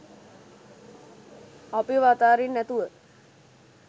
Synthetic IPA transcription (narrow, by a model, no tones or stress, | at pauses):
apiʋat̪aːɾinːæt̪uʋə